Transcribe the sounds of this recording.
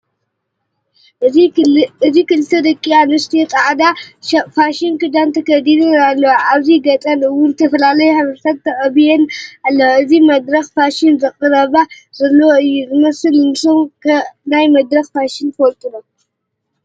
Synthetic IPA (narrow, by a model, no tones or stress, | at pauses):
ɨzikɨlɨt̪ʰːɐd̪ɐkʼːianɨst̪ʰit̪ʼaʕd̪afaʃinkɨd̪ant̪ʰɐkʰɐd̪id̪ɨalːɐwaβziɡɐt̪ʼɐnɨwʊlɨt̪ʰɐfɐlalɐjuhaβɐɾsat̪̚t̪ʰːɐkʼɐbijenalːɐɨzimɐd̪ɾɐxfaʃinzɨχʼɨɾɐβa | zɐlːɐwoɨjːuzɨmɐsɨlnɨsomkʰɐnajmɐd̪ɾɐxfaʃinkɔlt̪ʼɨno